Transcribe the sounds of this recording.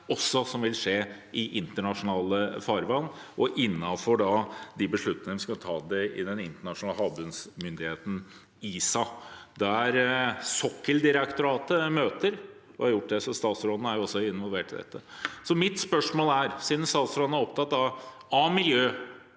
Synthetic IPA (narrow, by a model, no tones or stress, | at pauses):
ɔsːɔsɔmʋɪlʂeːʔɪʔɪnt̪əɳɑʂʊnɑːləfɑɾʋɑlnʔɔʔɪnːɑfɔɖɑd̪ɪbəʂɭʉt̪nɪŋəʋskɑt̪ʰɑːd̪ɛɪ̰d̪ɛnɪnt̪əɳɑʂʊnɑːləhɦɑːbʉnsmʏnd̪ɪheːt̪n̩ | iːsɑd̪ɛæɾsɔkːəld̪ɪɾəkt̪ʊɾɑːt̪əmøːt̪əɾ | ɔɑɾjʊʈːd̪ɛsɔst̪ɑːt̪sɾoːd̪n̩æɾjʊɔsːɔɪnʋɔlʋeːʈɪd̪ɛ̰t̪ːəsɔmɪt̪spœʂmoːlæɾsiːd̪n̩st̪ɑːt̪sɾoːd̪næɾɔp̚t̪ʰɑt̪ːd̪ɑɑmɪljøː